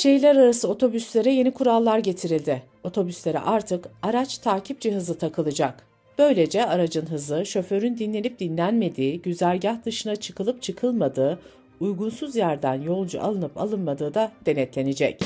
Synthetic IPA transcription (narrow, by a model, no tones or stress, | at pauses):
ʃe̞jlʲæɾaɾasɯo̞t̪ʰo̞byslʲe̞ɾɛje̞nikʰuɾalˠːaɾɟe̞t̪ʰiɾilʲd̪ɪ | o̞t̪ʰo̞byslʲe̞ɾɛ̰ʔaɾt̪ʰɯkaɾat͡ʃt̪ʰaːcʰip̚d͡ʒɛɦɯzɯt̪ʰakʰɯlˠɯd͡ʒak | b̥ø̞jlʲe̞d͡ʒɛaɾad͡ʒɯnɦɯzɯʃø̞fø̞ɾynd̪inlʲe̞nip̚d̪inlʲænme̞d̪iːɟyzæɾʲɟahd̪ɯʃɯnat͡ʃʰɯkʰɯlˠɯp̚t͡ʃʰɯkʰɯlˠmad̪ɯː | ujɡunsuzjæɾd̪ænjo̞lˠd͡ʒṵʔa̰lˠɯnɯpa̰lˠɯnmad̪ɯːd̪ad̪̥e̞nɛt̪lʲe̞nid͡ʒɛc